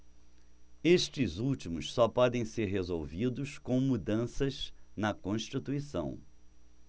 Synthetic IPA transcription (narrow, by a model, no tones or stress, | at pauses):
eʃt͡ʃɪzuwt͡ʃimʊʃsɔpɔd̪ẽj̃seɾɦezowvid̪ʊʃkõw̃mud̪ɐ̃sɐznɐkõʃt͡ʃit̪uisɐ̰̃w̃